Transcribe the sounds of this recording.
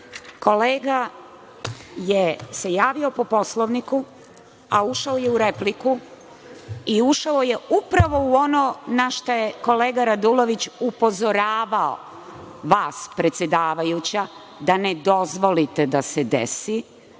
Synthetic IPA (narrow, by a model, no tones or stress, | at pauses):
ko̞leːɡa | jese̞jaːʋio̞po̞po̞sloʋniku | auʃaojeuɾepliku | iuʃaojeupɾaʋo̞uo̞nonaʃt̪ojeko̞le̞ːɡaɾad̪ulo̞ʋit͡ɕupo̞zo̞ɾaːʋao̰ | ʋaːspɾe̞t̪sjed̪aːʋajut͡ɕa | d̪ane̞d̪o̞zʋo̞lit̪e̞d̪ased̪ḛsi